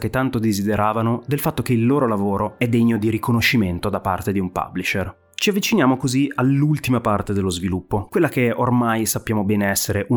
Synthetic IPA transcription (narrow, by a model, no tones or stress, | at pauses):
ket̪ːant̪od̪ezid̪eɾaːvanod̪elfat̪ːok̟eilːoːɾolavoːɾoɛd̪ːeɲːod̪iɾikonoʃːiment̪od̪apa̰rt̪ed̪iumpa̰blit͡ʃer | t͡ʃiavːit͡ʃinjaːmokozialːult̪imapart̪ed̪elːozvilupːokwelːak̟eormajsapːjaːmobɛːneɛsːeɾeʔu